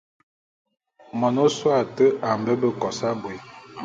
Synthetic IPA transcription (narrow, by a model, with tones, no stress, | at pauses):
mɔ˨no˦swa˨tə˦ʔa˨m˨bə˦bə˦kɔ˨sa˦bwe˨